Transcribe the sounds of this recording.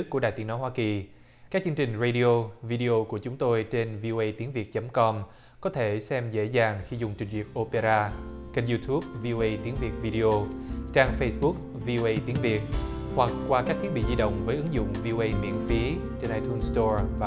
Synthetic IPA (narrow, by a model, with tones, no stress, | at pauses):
kːu˧˩əɗaː˨˩jt̪i˨˦ənɔ˨˦jɦwaː˧ki˨˩ | kaː˦˥k̚t͡ɕɨ˧ŋt͡ɕï˨˩ŋ̟zə˧jɗi˧o˧vi˧ɗi˧ʔo˧ku˧˩ət͡ɕʊ˨˦ŋ͡mt̪o˧jt͡ɕe˧nvi˧ʔo˧ʔə˧jt̪i˨˦əŋvi˨˩ət̚t͡ɕə˨˦mkɔ˧m | kɔ˨˦t̪ʰe˧˩sɛ˧mzḛ˧˥zaː˨˩ŋxi˧zʊ˨˩ŋ͡mt͡ɕï˨˩ŋ̟vi˨˩ət̚ʔo˧pe˧zaː˧ka˧nzu˧t̪ʰu˦˥p̚vi˧ʔo˧ʔə˧jt̪i˨˦əŋvi˨˩ət̚vi˧ɗi˧ʔo˧t͡ɕaː˧ŋfə˧jsɓʊ˦˥k̚ | vi˧ʔo˧ʔə˧jt̪i˨˦əŋvi˨˩ət̚hwa˨˩k̚kwaː˧kaː˦˥k̚t̪ʰi˦˥t̚ɓḭ˧˨zi˧ɗə̰˧˨wŋ͡mvəː˨˦jʔɨ˨˦ŋzʊ̰˧˨ŋ͡mvi˧ʔo˧ʔə˧jmḭ˧˥ənfi˨˦ | t͡ɕe˧nʔaː˧jt̪u˧nst̪ɔ˧vaː˨˩